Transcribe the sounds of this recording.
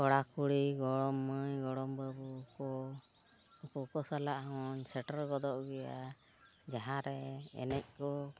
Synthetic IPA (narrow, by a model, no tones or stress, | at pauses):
ɔɽakuɽiɡɔɽɔmːəjɡɔɽɔmbəbuːkɔ | ɔkɔkɔsalaʔɦɔɲsɛʈəɾɡɔd̪ɔʔɡɛja̰ | d͡ʒaɦãɾɛɛ̰nɛc̚kɔ